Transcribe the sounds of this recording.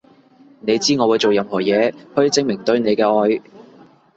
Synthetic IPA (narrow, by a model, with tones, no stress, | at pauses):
ne˨˧jt͡siː˥ŋɔː˨˧wu˨˧jt͡so˨wjɐ˨˧mhɔː˨˩jɛː˨˧hɵ˧ɥt͡sɪ˨ŋmɪ˨˩ŋt̪ɵ˧ɥne˨˧jkɛː˧ɔː˧j